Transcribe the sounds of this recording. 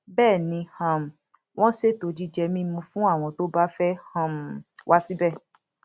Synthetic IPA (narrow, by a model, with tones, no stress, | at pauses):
bɛː˦˨nĩ˨˧˦hã˧˨m̩˨ | w̃ɔ̃˦ʃe˦to˧˨d͡ʒi˦d͡ʒɛ˧mĩ˦mũ˧˦fũ˦a˦˨w̃ɔ̃˧to˦ba˦fɛ˦hã˧˨m̩˨wʔa˦si˦bɛ˦˨